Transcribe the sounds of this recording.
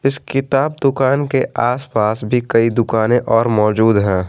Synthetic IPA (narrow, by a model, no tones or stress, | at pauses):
ɪskɪt̪aːb̚d̪ʊkaːnkeʔaːspaːsbʱikɐid̪ʊkaːnẽʔɔːɾmɔːd͡ʒuːd̪ɦɛ̃ː